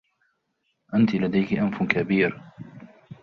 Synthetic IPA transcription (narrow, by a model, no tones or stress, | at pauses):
ʔant̪ɪlad̪ajkɪʔamfkabiːɾ